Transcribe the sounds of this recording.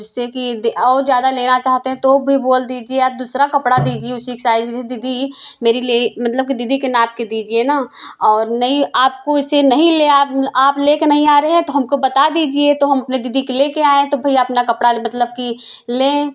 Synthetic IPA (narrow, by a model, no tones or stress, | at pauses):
d͡ʒɪsːekid̪ɔːɾzjaːd̪aleːnat͡ʃaːɦt̪eɦɛ̃t̪obʱiboːld̪iːd͡ʒiead̪uːsɾakɐpɽad̪iːd͡ʒieʊseːksaːɪd͡ʒked͡ʒsed̪ɪd̪ʱimeːɾilemɐt̪ləb̚kid̪ɪd̪ʱikenaːp̚ked̪iːd͡ʒienaɔːɾnɐɦĩaːp̚koɪsenɐɦĩleaːaːpleːkenɐɦĩaːɾeɦeɦɛ̃t̪oɦɐmkobɐt̪ad̪iːd͡ʒiet̪oɦɐmɐpned̪ɪd̪ʱikeleːkeaːẽt̪obʱɐiɐpnakɐpɽamɐt̪ləb̚kilẽ